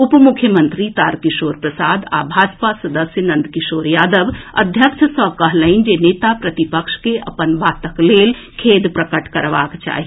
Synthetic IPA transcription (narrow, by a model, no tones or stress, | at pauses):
upmukʰjəmə̃nt̪ɾit̪aːɾkiʃoːɾpɾəsaːd̪a̰bʱaːd͡ʒpasɐd̪əsjənə̃nd̪kɪʃoːɾjaːd̪əbə̰d̪ʱjəkʃʰsəkəɦləɪnd͡ʒeneːt̪apɾɐt̪ipəkʃkeʔɐ̰pənbʱaːt̪əkleːl | kʰeːd̪pɾəkəʈkɐɾʋa̰ːkt͡ʃa̰ːɦi